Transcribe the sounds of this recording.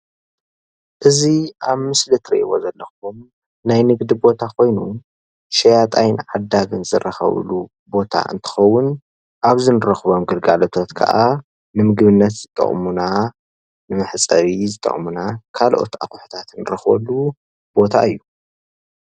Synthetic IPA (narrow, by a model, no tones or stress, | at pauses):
ʔɨziʔaβmɨslɨt̪ʰɾḭʔiwo̞̰zɐlːɐxum | najnɨɡd̪ibo̞t̪ʰakʰo̞jnu | ʃɐjat̪ʼajnʕad̪aɡɨnzɨɾɐxɐ̰β̰lu | bo̞t̪ʰa̰ʔɨ̰nt̪ʰɨ̥xɐwːʊn | ʔaβzɨnɨɾɐxβomɡɨlɡalot̪ʰo̞t̪kʰɐ̰ʔa | nɨmɨɡβɨnːɐt̪z̥ɨt̪ʼːɐ̰χʼmuna | nɨmɨħt͡sʼɐβizɨt̪ʼɐ̰χʼmunakʰalʔo̞̰t̪ʔa̰kʼʊħt̪ʰat̪nɨɾɐxbo̰lːu | b̥o̞t̪ʰa̰ɨjːu